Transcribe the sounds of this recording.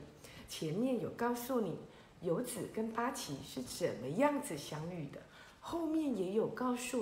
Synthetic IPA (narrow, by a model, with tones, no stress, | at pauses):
t͡ɕʰjɛ˧˦nmjɛ˥˩njo˨˩ʊkɑ˥˧ʊsu˥˩ni˨˩˦ | jo˧˥ʊt͡sɹ̩˨˩kə˥npa˥t͡ɕʰi˧˥˦ʂɻ̩˥˩t͡sə˨˩nmə˦jɑ˥˩ŋd͡zɹ̩˨ɕjɑ˥ŋy˥˩d̪ə̰˩ | xo˥˧ʊmjɛ˥˩njɛ˧˥jo˨˩ʊkɑ˥˧ʊsu˥˩